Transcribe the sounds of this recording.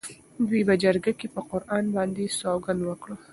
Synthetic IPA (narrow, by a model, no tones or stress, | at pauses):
d̪wibad͡ʒaɾɡakepəqʊɾʔɑnbɑnd̪esɑwɡand̪wəkɽo